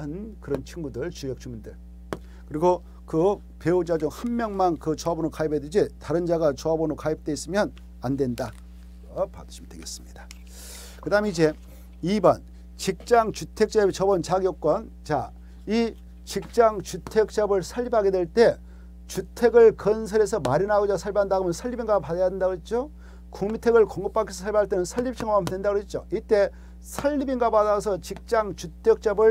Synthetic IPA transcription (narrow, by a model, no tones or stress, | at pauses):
ɯnkɯɾʌnt͡ɕʰiŋɡudɯɭt͡ɕujʌk̚t͡ɕ͈ʰuŋmundɯɭ | kɯɾiɡo | kɯ | pe̞ud͡ʑad͡ʑoŋhanmjʌŋmankɯt͡ɕoabonokaibedid͡ʑetaɾɯnd͡ʑaɡat͡ɕoabonokaip̚t͈e̞is͈ɯmjʌn | andwenda | pa̰dɯɕʰimdeɡes͈ɯ̥mɲidḁ | kɯdaɯmeid͡ʑe̞ | ibʌn | t͡ɕik̚t͡ɕ͈aŋt͡ɕutʰe̞k̚t͡ɕ͈abet͡ɕʌbʌnt͡ɕaɡjok͈wʌn | t͡ɕa̰ | i | t͡ɕik̚t͡ɕ͈aŋt͡ɕutʰe̞k̚t͡ɕ͈abɯɭsʰaʎːipʰaɡe̞dwe̞ɭt͈e̞ | t͡ɕutʰe̞ɡɯɭkʌnsʰʌɾe̞sʰʌmaɾinaɡod͡ʑasʰaɭbaɦandaɡomjʌnsʰaʎːibiŋɡwapadajadendaɡoet̚t͡ɕ͈o | kuŋmintʰe̞ɡɯɭkoŋɡɯp͈ʰːak̬͈ʰːesʰʌ̥sʰaɭbaaɭt͈e̞nɯnsʰaʎːip̚t͡ɕ͈ʰʌŋɡoamdendaɡoɦet̚t͡ɕ͈o̰it͈e̞ | sʰaʎːibiŋɡwapadasʰʌt͡ɕik̚t͡ɕ͈aŋt͡ɕutʰek̚t͡ɕ͈abɯɭ